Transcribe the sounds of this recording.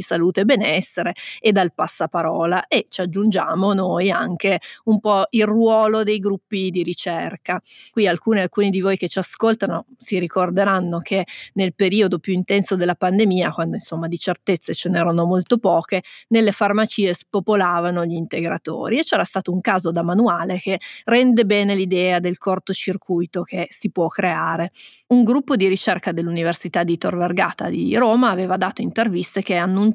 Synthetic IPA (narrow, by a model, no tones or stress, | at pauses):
isaluːt̪ebenɛsːeɾeed̪ːalpasːapaɾɔːlaʔet͡ʃad͡ʒːund͡ʒaːmonojaŋkeumpɔilrwɔːlod̪ejɡɾupːid̪iɾit͡ʃerkakwialkuːnealkuːnid̪ivoːjket͡ʃiaskolt̪anosiɾikord̪eɾanːokʰenelpeɾiːod̪opjuint̪ɛnsod̪elːapand̪emiːakwand̪oinsomːad̪it͡ʃert̪et̪sːet͡ʃenɛːɾanomolt̪opɔːkenelːefarmat͡ʃiːespopolaːvanoʎiːnt̪eɡɾat̪o̰ːɾiet͡ʃːɛːɾast̪aːt̪ouŋkaːzod̪amanuaːlek̟erɛnd̪ebɛːnelid̪ɛːad̪elkort̪ot͡ʃirkʰujt̪ok̟esipwɔkːɾeaːɾe | uŋɡɾupːod̪iɾit͡ʃerkad̪elːuniversit̪ad̪it̪orverɡa̰ːt̪a̰d̪ḭɾoːmaːveːvad̪aːt̪oint̪ervist̪ekeanːun